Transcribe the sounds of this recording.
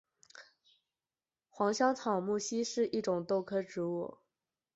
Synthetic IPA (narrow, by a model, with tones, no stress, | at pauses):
xwɑ˧˥ŋɕjɑ˥ŋt͡sʰɑ˨˩ʊmu˥˩ɕi˥ʂɻ̩˥˧i˥˩ʈ͡ʂʊ˨˩ŋt̪o˥˩ʊkʰɤ˥ʈ͡ʂɻ̩˧˥wɔ̰˨˩˦